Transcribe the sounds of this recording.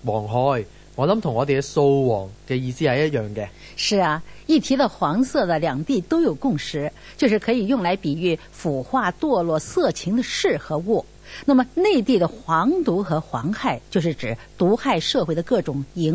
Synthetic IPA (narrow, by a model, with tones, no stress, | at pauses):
wɔː˨˩ŋɦɔː˨˧˥j | ŋɔ˨˧˥lɐ˨˦˥mt̪ʰʊ˨˩ŋɔː˨˧d̪e˨˧˥so˧wwɔː˨˩ŋkɛ˧jiː˧siː˥hɐ˨jɐ˥t̚jœː˨˩ŋɡɛ˧ | ʂɻ̩˥˩ɐ˩i˥˩t̪ʰi˧˥d̪ə˧xwɑ˧˥ŋsɤ˥˩d̪ə˩ljɑ˨˩ŋt̪i˥˩t̪o˥ʊjo˨˩ʊkʊ˥˩ŋʂɻ̩˧˥ | t͡ɕjo˥˧ʊʂɻ̩˥˩kʰɤ˧˥i˨˩jʊ˥˩ŋla˧˥ɪpi˨˩y˥˩ | fu˨˩xwa˥˧t̪wɔ˥˧lwɔ˥˧sɤ˥˩t͡ɕʰi˧˥ŋd̪ə˧ʂɻ̩˥˩xɤ˧˥wɔ˥˩ | na˥˩mə˩ne˥˧ɪt̪i˥˩d̪ə˩xwɑ˧˥ŋt̪u˧˥xɤ˧˥xwɑ˧˥ŋxa˥˩ɪt͡ɕjʊʂ̬ɻ̩˥˩ʈ͡ʂɻ̩˨˩˦t̪u˧˥xa˥˧ɪʂɤ˥˧xwe˥˩ɪd̪ə˩kɤ˥˩ʈ͡ʂʊ˨˩ŋi˧˥ŋ